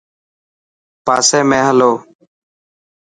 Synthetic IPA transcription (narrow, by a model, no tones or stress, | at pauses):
paːseːmẽːɦəloː